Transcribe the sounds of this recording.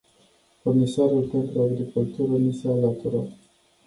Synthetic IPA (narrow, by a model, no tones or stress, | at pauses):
furnisoaɾulpe̞nt̪ɾuaɡɾikult̪uɾənusealat̪uɾat̪